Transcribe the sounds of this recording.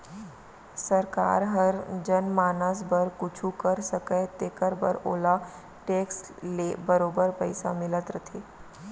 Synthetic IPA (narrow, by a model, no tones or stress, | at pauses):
səɾka̰ːɾɦɐɾd͡ʒənmaːnəs̬bəɾkʊt͡ʃʰukəɾsəkət̪eːkəɾbə̰ɾoːla | ʈeːks | leːbəɾoːbəɾpəɪsa̰mɪlət̪ɾət̪ʰeː